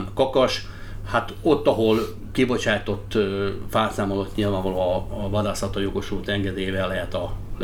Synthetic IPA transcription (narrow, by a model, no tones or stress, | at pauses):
mkɒkɒʃ | hat̪o̞t̪ːɒɦo̞l | kibo̞t͡ʃaːjt̪o̞t̪ːfaːlsaːmolot̪ɲilvaːɱvɒloːɒːvɒd̪aːsɒt̪ɒjo̞ɡo̞ʃult̪ɛŋɡɛd̪eːjvɛlːɛɦɛt̪ɒl